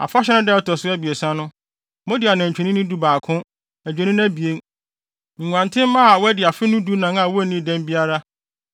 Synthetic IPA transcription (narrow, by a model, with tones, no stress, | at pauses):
a̰˨fa˦ɕ̬ɛ˦nɪ̃˦dɛ˦ɔ˦tʰɔ˨sʊ˦æ˦bi˨e˨sã˦nʊ̃˦ | mɔ̃˦dɪ˨a˨nã˨ɲ˨t͡ɕᶣɛ˨nĩ˦nĩ˦du˦baː˨kʰʊ̃˦ | æ˨d͡ʑᶣɛ˨nĩ˦n˦æ̃˦bi˨e˦ŋ | ŋ̩˨ŋʷ˨ã˨ntʰɪ̃˦m˦mã˦a˨wɛ˦dɪ˨a˨fɪ˦nʊ̃˦du˦nã˨ŋã˨wɔ˦˨˦nĩ˦˨dɛ̃˦m˦bi˦a˦ɾa˦